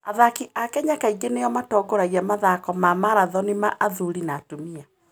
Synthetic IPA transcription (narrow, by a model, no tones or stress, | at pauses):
aðakiʔakɛɲakaiɡenejɔmatɔːɡoɾaɣiamaðakɔmamaɾaðɔnimaʔaðuɾinaːtomia